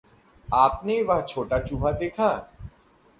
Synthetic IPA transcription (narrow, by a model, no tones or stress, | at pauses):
aːp̚neʋɐɦt͡ʃʰoːʈat͡ʃuːɦad̪eːkʰaː